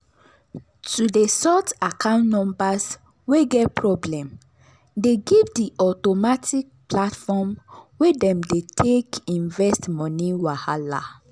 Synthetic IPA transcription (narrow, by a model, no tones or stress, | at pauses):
tudesɔtakʰãʊ̃ntnɔ̃mbas | weɡɛt̚pʰɹɔblɛ̃m | deɡivdiʔɔtomatik̚platfɔmwedɛ̃mdetʰekĩɱvɛstmɔniwahala̰